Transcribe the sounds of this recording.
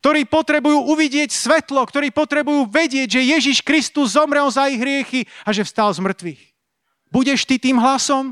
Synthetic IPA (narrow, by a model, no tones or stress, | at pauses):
k̚t̪ɔɾiːpɔt̪ɾɛbujuːʔuʋiɟɪɛcsʋɛt̪lɔkt̪ɔɾiːpɔt̪ɾɛbujuːʋɛɟɪɛɟʒɛjɛʒiʃkɾist̪uzːɔmɾɛlzaiɣɦɾɪɛxiaʒɛfst̪alzmr̩t̪ʋix | buɟɛʃt̪it̪iːmɦlasɔm